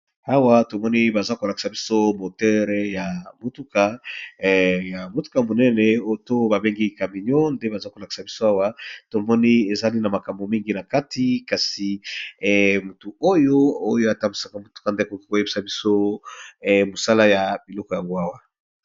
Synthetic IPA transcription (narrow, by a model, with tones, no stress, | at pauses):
a˦wa˦to˨mɔ˦ni˦ba˨za˦ko˨la˨ki̥˨sa˨bi˦so˦mo˨tɛ˦ʁja˨mo˨tu˦ka˨ | ja˨mo˨tu̥˦ka˨mo˨nɛ˦nɛ˨o˦to˦ba˨be˦ŋɡi˦ka˨mi˨ɲɔ˦nde˦ba˨za˦ko˨la˨ki̥˨sa˨bi˦so˦a˦wa˦to˨mɔ˦ni˦e˨za˦li˦na˨ma˨ka˨mbo˨mi˦ŋɡi˦na˨ka˦tʰi˦ka˨si˨ | mu˨tu˨o˦jo˦o˦jo˦a˨ta˦mi˨sa˨˦ka˦mo˨tu̥˦ka˨nde˦˨ko˨ki˦ko˨je˦bi̥˦sa˨bi˦so˦˨ | mo˨sa˦la˦ja˨bi˨lɔ˦kɔ˨ja˨ŋɡo˦a˦wa˨